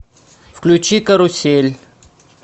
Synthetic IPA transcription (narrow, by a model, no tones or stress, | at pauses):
fklʲut͡ʃikəɾʊsʲelʲ